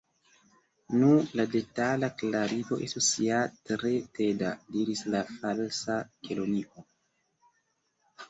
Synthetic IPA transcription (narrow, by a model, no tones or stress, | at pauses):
nulade̞talaklaɾiko̞ʔe̞stusiatɾe̞te̞dadiɾislafalsakeloniʔo̞